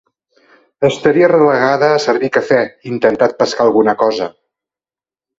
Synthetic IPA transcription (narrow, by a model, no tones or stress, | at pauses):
əst̪əɾiərələɣaðəːsəɾβikəfɛint̪ənt̪at̪̚pəskaːlˠɣunəkɔzə